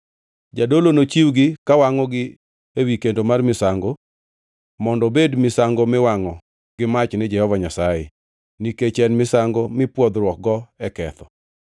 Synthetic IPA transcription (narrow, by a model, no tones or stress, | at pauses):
d͡ʒadolonot͡ʃiwɡɪkawaŋɔɡɪ | ewikendomarmɪsaŋɡo | mɔndɔbedmɪsaŋɡomɪwaŋɔ | ɡɪmat͡ʃnɪd͡ʒɛhɔvaɲasajḛ | niket͡ʃɛnmɪsaŋɡomɪpwɔd̪ɾwɔk̚ɡɔɛkɛt̪ɔ